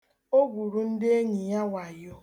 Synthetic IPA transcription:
o˦ɡʷu˨ɾu˦n̩˦dɪ˦e˦ɲi˨ja˦wa˨jo˦

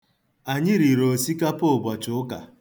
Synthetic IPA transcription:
a˨ɲɪ˦ɾi˨ɾo˨si˦ka˦po˦˨ɡʷa˨t͡ʃʊ˨˦ʊ˦ka˨

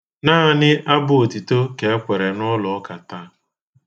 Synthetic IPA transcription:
naː˦˨nɪ˦ʔa˦bʊ˨o˨tu˨to˦ke˨e˦kʷe˨ɾe˨nɔ˦lɔ˨ɔ˦ka˨ta˦

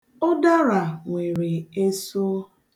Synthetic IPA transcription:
ʊ˦da˦ɾa˨ŋʷe˨ɾɪ˨e˦so˦

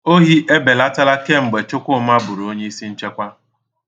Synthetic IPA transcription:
o˦ɦi˦ʔe˦be˨la˦ta˦la˦ke˦m̩˨ɡ͡be˨t͡ʃʊ˦kʷʊ˦ma˦bʊ˨ɾo˨o˦ɲe˦i˦si˦n̩˦t͡ʃe˦kʷa˦

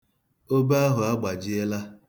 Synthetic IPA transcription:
o˦ba˦ɦʊ˨a˦ɡ͡ba˨d͡ʒɪ˦e˦la˦

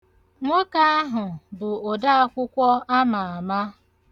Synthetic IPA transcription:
ŋʷɔ˦ka˦a˦ɦʊ˨bʊ˨o˨da˦a˦kʷʊ˦kʷɔ˦a˦ma˨a˨ma˦

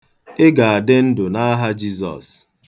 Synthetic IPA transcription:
ɪ˦ɡa˨a˨de˦n̩˦dʊ˨na˦ɦa˦d͡ʒi˦zɔ̰˨s

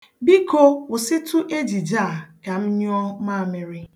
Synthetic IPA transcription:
bi˦ko˦ʊ˨sɪ˦tʊ˦ʔe˦d͡ʒi˨d͡ʒaː˦˨ka˨m̩˦ɲ˦ɔ˦ma˦˨mɪ˨ɾɪ˦

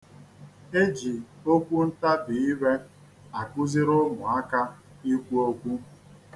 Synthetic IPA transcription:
e˦d͡ʒi˨o˦kʷu˦n̩˦ta˦bi˨i˦we˦ | a˨kʷʊ˦zɪ˦ɾʊ˦mʊ˨a˦ka˦ | i˦kʷu˦o˦kʷu˦

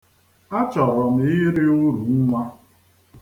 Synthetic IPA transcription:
a˦t͡ʃɔ˨ɾɔ˨m̩˨ɪ˦ɾɪ˦ʊ˦ɾu˨ŋ̩˦ŋʷa˦

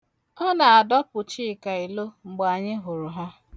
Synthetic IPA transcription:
ɔ˦na˨a˨dɔ˦pʊ˨t͡ʃi˦˨ka˨i˨lo˦ŋ͡m̩˨ɡ͡ba˨ɲɪ˦ɦʊ˨ɾʊ˨ɦa˦

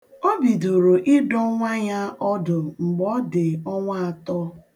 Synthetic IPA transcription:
o˦bi˨do˨ɾo˨ʔi˦dɔ˦ŋʷa˦ɲa˦ʔɔ˦dʊ˨ŋ͡m̩˨ɡ͡bɔ˦dɪ˨ɔ˦ŋʷa˦a˨tɔ˦

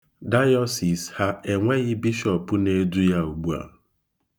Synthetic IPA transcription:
da˦jɔ˦si˨sha˦e˨ŋʷe˦ɣɪ˦bi˦ʃɔ˨pʊ˦ne˦du˦ja˦u˨ɡ͡bu˦a̰˨

